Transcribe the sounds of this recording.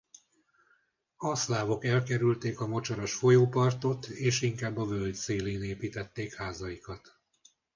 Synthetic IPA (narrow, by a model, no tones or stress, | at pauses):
ɒslaːvo̞kɛlkɛɾylt̪eːkɒmo̞t͡ʃɒɾɒʃfo̞joːpɒrt̪o̞t̪eːʃiŋkaːbːɒvøld̪seːleːneːpiːt̪ɛt̪ːeːkhaːzɒjikɒt̪